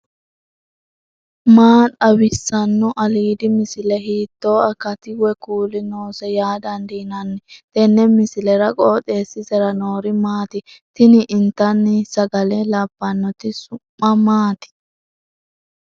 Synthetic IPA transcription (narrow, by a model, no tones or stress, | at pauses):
maːᶑɐwɪsːɐnːɔʔɐliːd̪ɪmɪsɪlɛɦiːt̪ːoːɐkːɐt̪ɪwɛkuːlɪnoːsɛjaːd̪ɐnd̪iːnɐnːɪt̪ɛnːɛmɪsɪlɛɾɐkʼoːteːsːɪsɛɾɐnoːɾɪmaːt̪ɪt̪ɪnɪʔɪnt̪ːɐnːɪsɐɡɐlɛlɐbːɐnːɔt̪ɪsʊmːɐmaːt̪ɪ̥